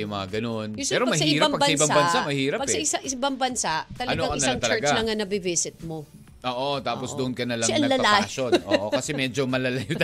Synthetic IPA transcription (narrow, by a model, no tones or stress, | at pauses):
jʊmɐŋaɡɐno̞nʊpɛːɾoɐmɐhsɐiɪːɾaŋpːɐɡbsɐʔɪbaŋbɐnsamɐhiːɾɐpɐɡɐʔɪsɐʔɪbɐŋbɐnsaʔt̪ɐlɐnoɐʔɐɪɐsaŋt̪t͡ʃɐlɐɡalɐŋɐnɐbɪvisɪt̪̚mo | ʔoːʔot̪aːposd̪ʊʔʊnkɐnɐlɐŋɐnɐlɐɐlaʃonʔoʔokɐsɛmɛːd͡ʒomɐlɐlajʊd̪